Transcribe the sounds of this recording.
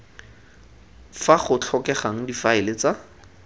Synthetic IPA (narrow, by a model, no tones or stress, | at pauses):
faχʊt͡ɬʰɔkɛχaŋ̩difaɪlɪt͡sa